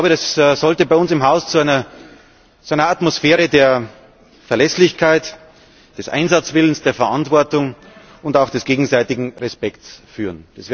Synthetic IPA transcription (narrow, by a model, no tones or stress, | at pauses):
ʊbədasz̥ɔltəbaɪʊnsɪmɦaʊst͡suaɪnɐ | t͡suʔaɪnɐatmosfeːʁədeːɐ | fɛɐlɛslɪçkʰaɪt | d̥ɛsʔa̰ɪnzat͡sv̥ɪlənsd̥eːɐfɛɐʔantv̥ɔɐtʊŋ | ʊndaʊxd̥ɛsɡ̥eːɡŋ̩zaɪtɪɡŋ̩ʁɛspɛktsfyːʁənd̥as